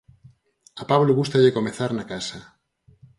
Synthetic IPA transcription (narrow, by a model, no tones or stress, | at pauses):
apaβloɣust̪aʎekomeθaɾnakasa